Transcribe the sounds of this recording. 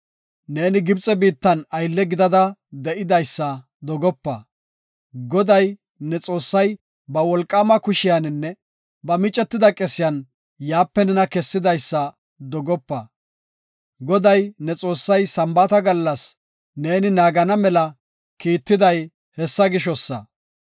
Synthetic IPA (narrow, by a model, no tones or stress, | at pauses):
ne̞ːnɪɡɪbt͡sʼɛbiːt̪ːɐnɐjlːɛɡɪd̪ɐd̪ɐd̪ɛʔɪd̪ɐjsːɐ | d̪ɔɡɔpːɐ | ɡɔd̪ɐj | nɛt͡sʼo̞ːsːɐj | bɐwɔlkʼːaːmɐkʊʃɪjanɪnːɛ | bɐmɪt͡ʃʼːɛt̪ːɪd̪ɐkʼɛsɪjɐn | jaːpːɛnɛnɐkɛsːɪd̪ɐjsːɐ | d̪ɔɡɔpːɐ | ɡɔd̪ɐjnɛt͡sʼo̞ːsːɐjsɐmbɐt̪ɐɡɐlːɐs | ne̞ːnɪnaːɡɐnɐmɛlɐ | kiːt̪ːɪd̪ɐj | hɛsːɐɡɪʃ̬ɔsːɐ̰